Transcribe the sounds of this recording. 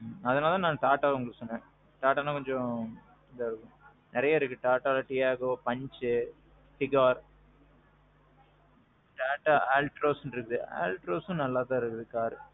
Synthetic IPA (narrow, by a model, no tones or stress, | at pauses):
ɐðɐnaːlãnãːʈaːʈːaːʊŋɡɐɭkːɯsɔnːẽː | ʈaːʈːaːnãːkɔɲd͡ʒɔ̃ | ɪd̪ɐɪɾɯkːʊ̃ | nɪɾɐjaɪɾɯkːɯʈaːʈaːlɐʈɪjaːɣɐopɐɲt͡ʃɯ | fɪɡaːɾ | ʈaːʈːaaːlʈɾoːsnɾɯkːɯðɯa̰ːlʈɾoːsʊ̃nɐlːaːt̪ãːɪɾɯkːɯðɯkaːɾɯ